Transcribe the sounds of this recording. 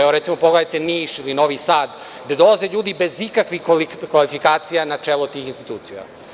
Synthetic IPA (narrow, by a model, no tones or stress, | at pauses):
eoɾet̪imo̞poɡled̪ajt̪eniːʃilino̞ʋisaːd̪ː | ad̪olˠazeʎuːd̪ibe̞zikakʋixkʋalifikaːt̪sijanat͡ʂeːlˠot̪iːxinst̪i̥t̪uːt̪sija̰